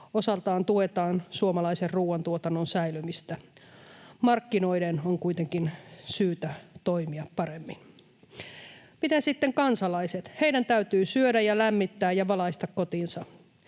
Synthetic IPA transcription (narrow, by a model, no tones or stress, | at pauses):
osɑlt̪ɑːnt̪uet̪ɑːnsuomɑlɑiserruːwɑnt̪uot̪ɑnːonsæilymist̪æ | mɑrkːino̞idenoŋkujt̪eŋkinsyːt̪æt̪oimiɑppɑɾemːin | mit̪æsit̪ːeŋkɑnsɑlɑiset̪heidænt̪æyt̪yːsyødæjɑlæmːit̪ːæːjjɑʋɑlɑist̪ɑkkot̪insɑ